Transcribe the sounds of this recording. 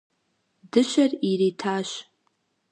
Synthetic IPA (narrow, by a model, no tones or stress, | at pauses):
dɨʃʷariɾitʰaːʃ